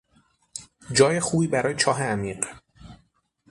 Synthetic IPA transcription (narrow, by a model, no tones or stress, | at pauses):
d͡ʒɒːje̞xuːbiːbæɾɒːje̞t͡ʃʰɒːɦeæmiːɢ